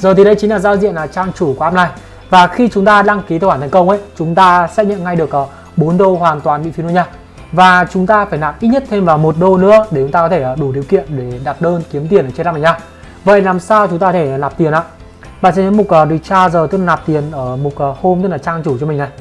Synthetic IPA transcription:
zəː˨˩t̪ʰi˨˩ɗə˧˦jt͡ɕi˨˦ŋ̟laː˨˩zaː˧wzḭ˧˨ənlaː˨˩t͡ɕaː˧ŋt͡ɕu˧˩kwʔaː˧pna˨˩j | vaː˨˩xi˧t͡ɕʊ˨˦ŋ͡mt̪aː˧ɗa˧ŋki˨˦t̪ːwaː˧˩t̪ʰŋkə˧wŋ͡mʔə̰˧˥˨jt͡ɕʊ˨˦ŋ͡mt̪aː˧sɛ̰˦˥t̚ɲə̰˧˨nŋa˧jɗɨ˨˩ək̚ʔəː˨˩ | ɓo˨˦nɗo˧hwaː˨˩nt̪waː˨˩nɓḭ˧˨fi˨˦nː˧˦ɲaː˧ | vaː˨˩t͡ɕʊ˨˦ŋ͡mt̪aː˧faː˧˩jlaː˨˩p̚ʔi˦˥t̚ɲə˦˥t̚t̪ʰe˧mvaː˨˩wmo˨˩t̚ɗo˧nɨ̰˧˥əɗe˧˩t͡ɕʊ˨˦ŋ͡mt̪aː˧kɔ˨˦t̪ʰe˧˩əː˨˩ɗu˧˩ɗi˨˩əwkḭ˧˨ənɗe˧˩ɗa˨˩t̚ɗəː˧nki˨˦əmt̪i˨˩ənʔːt͡ɕlaː˧˥na˨˩ɲaː˧ | və̰˧˨jlaː˨˩msaː˧wt͡ɕʊ˨˦ŋ͡mt̪aː˧ɔ˧t̪ʰe˧˩˨laː˨˩p̚t̪i˨˩ənʔa̰ː˧˨ | ɓa̰ː˧˨nsɛ̰˧˥ɲə̰˧˥mo˨˩t̚ʔəː˨˩ɗ̚t͡ɕaː˧zəː˨˩ɨ˦˥k̚lːlaː˨˩p̚t̪i˨˩ənʔəː˧˩mo˨˩t̚ə˨˩ho˧mt̪ɨ˦˥klaː˨˩t͡ɕaː˧ŋt͡ɕu˧˩t͡ɕɔ˧mï̟˨˩na˨˩j

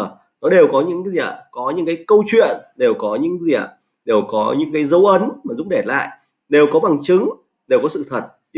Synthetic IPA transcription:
nɔ˨˦ɗe˨˩wkɔ˨˦ɲɨ̰˧˥ŋ˨i˧ə˨˩kɔ˨˦ɲɨ̰˧˥ŋkaː˨˦jkə˧wt͡ɕwḭ˧˨ənɗe˨˩wkɔ˨˦ɲɨ̰˧˥ŋzi˨˩ə˩ | ɗe˨˩wkɔ˨˦ɲɨ̰˧˥ŋkaː˨˦jzə˨˦wʔə˨˦nmaː˨˩zʊ̰˧˥k͡p̚ɗe˧˩la̰ː˧˨j | ɗe˨˩wkɔ˨˦ɓa˨˩ŋt͡ɕɨ˨˦ŋ | ɗe˨˩wkɔ˨˦sɨ̰˧˨t̪ʰə˨˩t̚

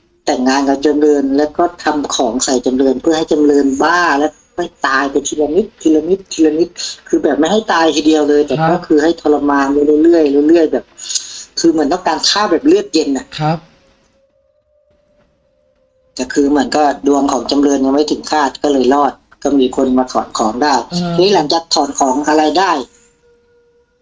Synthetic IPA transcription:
t̪ɛ˨˩ŋːaː˧nka˧˩t͡ɕa˧mlɤː˧nlɛː˦˥wkɔː˥˩t̪ʰa˧mkʰɔː˩˦ŋsa˨˩jt͡ɕa˧mlɤː˧npʰɯ˥˩ɐha˥˩jt͡ɕa˧mlɤː˧nbaː˥˩lɛː˦˥wʰ | ɔ˥˩jt̪aː˧jpɛ˧jt̪ʰiː˧la˧mi˦˥t̪̚ʰːiː˧la˧mi˦˥t̪ʰːiː˧la˧mi˦˥t̪̚kʰɯː˧bɛː˨˩p̚ma˥˩jha˥˩jt̪aː˧jt̪ʰi˧˩di˧əwlɤː˧jt̪ɛː˨˩kɔː˥˩kʰɯː˧ha˥˩jt̪ʰɔː˧la˧maː˧nlːlu˧˩˨lɯ˥˩əjlɯ˧˩˧lɯ˥˩əjbɛː˨˩p̚kʰɯː˧mɯ˨˦ənt̪ɔː˧˥˩kaː˧nkʰaː˥˩bɛː˨˩p̚lɯ˥˩ək̪̚je˧nːa˧˩ | ka˧˩kʰɯː˧mɯ˩˦ənkɔ˧˩du˧əŋkʰɔː˩˦ŋt͡ɕa˧mlɤː˧nja˧ŋma˥˩t̪ʰɯ˩˦ŋkʰaː˥˩t̪̚kɔ˥˩lɤː˧jlɔː˥˩t̪̚kɔ˥˩miː˧kʰo˧nmaː˧t̪ʰɔː˨˩˦nkʰɔː˩˦ŋdaː˥˩jʰɛ˧˦a˥˩la˩˨˦ŋt͡ɕa˨˧˩k̚t̪ʰːɔː˨˩˦nkʰɔː˩˦ŋʔa˧ɾa˧jdaː˥˩j

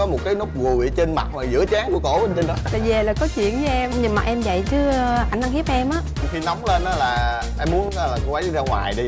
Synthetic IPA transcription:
ɔ˨˦mo˨˩t̚kaː˨˦jnu˦˥k͡p̚ɣu˨˩˨t͡ɕe˧nma̰˨˩t̚maː˨˩zɨ̰˧˥ət͡ɕaː˨˦ŋku˧˩əko̰˧˩ɓə˧nt͡ɕə˧nɗɔ˨˦laː˨˩ze˨˩laː˨˩kɔ˨˦t͡ɕwḭ˧˨ənt͡ɕɔ˨˧ʔɛ˧mɲɨ˧ŋmaː˨˩ʔɛ˧mvə̰˧˨jt͡ɕɨ˨˦˧ʔa˧˩ŋʔa˧ŋhi˦˥p̚ʔɛ˧mʔaː˨˦˧xi˧na˨˦wŋ͡mle˧nʔaː˨˦laː˨˩ | ʔɛ˧mːu˨˦ənː˨˦laː˨˩ko˧ʔa˨˦˧zaː˧ŋwa̰ː˨˩jɗi˧

